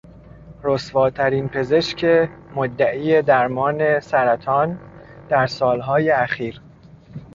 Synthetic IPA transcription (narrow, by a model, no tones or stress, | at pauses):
ɾosvɒːt̪ʰæɾiːnpʰe̞ze̞ʃcʰemod̪ːæʔiːjed̪æɾmɒːne̞sæɾæt̪ʰɒːn | d̪̥æɾsɒːlɦɒːjeæxiːɾ